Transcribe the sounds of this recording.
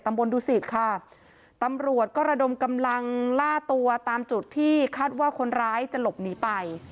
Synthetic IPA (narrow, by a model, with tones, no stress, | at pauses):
t̪a˧mbo˧nduː˧si˨˩t̪̚kʰa˥˩ | t̪a˧mɾu˨˩ət̪̚kɔː˥˩ɾa˧do˧mka˧mla˧ŋlaː˥˩t̪u˧ɐt̪aː˧mt͡ɕu˨˩t̪ʰːiː˥˩kʰaː˥˩t̪̚waː˥˩kʰo˧nɾaː˦˥jt͡ɕa˨˩lo˨˩p̚niː˦˥pa˧j